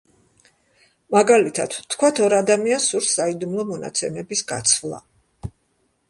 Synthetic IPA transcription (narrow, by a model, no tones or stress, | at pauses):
maɡalit̪ʰad̪̥t̪ʰkʰwat̪ʰɔɾad̪amiansuɾsːaid̪umlˠɔmɔna̰t̪sʰɛmɛbisɡa̰t̪sʰvlˠa̰